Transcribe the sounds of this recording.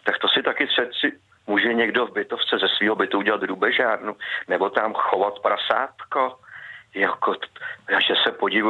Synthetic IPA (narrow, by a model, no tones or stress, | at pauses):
t̪akt̪osɪt̪akɪrɛt̪sɪ | muːʒɛɲɛɡdo̞vbɪt̪oft͡sɛzɛsviːɦobɪt̪uuɟɛlat̪ɦɾubɛʒaːdnunɛbo̞t̪amxovat̪pɾasa̰ːt̪kojakoaʒɛsɛpo̞ɟɪv